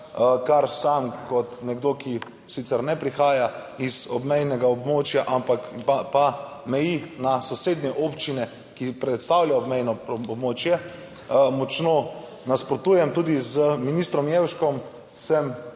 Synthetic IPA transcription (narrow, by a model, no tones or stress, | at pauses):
kaɾsamkɔt̪nɛɡd̪oki | sit̪sɛɾnɛpɾixaːja | izɔbmɛjnɛɡaɔbmoːt͡ʃjaʔampakpa | mɛjinasɔseːd̪nʲɛʔoːpt͡ʃinɛ | kipɾɛt̪st̪aːwljaɔbmɛjnɔbmoːt͡ʃjɛ | mɔt͡ʃnoː | naspɾɔt̪uːjɛmt̪uːd̪izəminist̪ɾɔmjewʃkɔm | sɛm